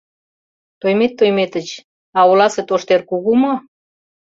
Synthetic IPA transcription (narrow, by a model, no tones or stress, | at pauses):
t̪ojmet̪ːojmet̪ə̆t͡ɕ | ɑolɑset̪oʃt̪erkuɣumo